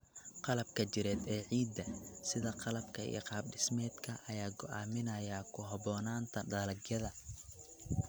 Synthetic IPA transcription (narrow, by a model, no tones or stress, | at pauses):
qɑlɐb̚kʰɐt͡ʃɪɾɛːd̪ɛːʕiːd̪ːɐsɪðɐqɑlɐbkʰɐḭːqɑːb̚ɖɪsmɛːd̪kʰɐʔɐjaːɡɔʔa̰ːmɪnɐjakʰʊɦɐβɔːnaːnt̪ʰɐɖɐːlɐɡjɐðɐ